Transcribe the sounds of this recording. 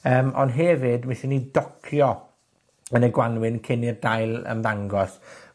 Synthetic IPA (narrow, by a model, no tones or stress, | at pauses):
əːmɔ̰ndɦɛvɨdmaʃinːidɔkʰjɔ | ənəɡwanwɪnkʰɪnirdajlˠə̰mðaŋɡɔs